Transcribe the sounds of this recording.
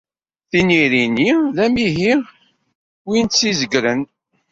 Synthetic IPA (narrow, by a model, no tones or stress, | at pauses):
θiniɾiniðæmiɦiʁ | winsizəɡɾən